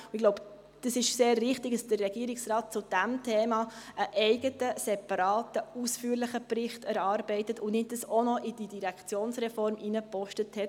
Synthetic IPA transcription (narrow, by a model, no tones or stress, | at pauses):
ʊɪɡloʊb | d̥əsɪʃseːɾʋɪχtɪɡdɑsd̥ərːɛɡ̥iəɾɪksrɑːt̚t͡sʊd̥æmtʰɛːmɑʔəʔɛɪɡətəsɛpɑɾɑːtəusfyːɾlɪχəprɪχtæɾɑːɾbɛɪtətʊnɪt̚dəsɔnɔʔid̥idiɾækt͡sjoːnsɾɛfɔɾmʔinəpɔʃtəthɛt